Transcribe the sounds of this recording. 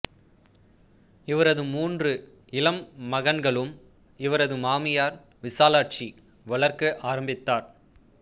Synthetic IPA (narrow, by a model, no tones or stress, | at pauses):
ɪʋɐɾɐðɯmuːndrɯ | ɪlɐmːɐɣɐnɡɐɭɯm | ɪʋɐɾɐðɯmaːmɪjaːɾ | ʋɪsaːlaːʈ̚t͡ʃi | ʋɐɭɐɾkɯʔaːɾɐmbɪt̪ːaːɾ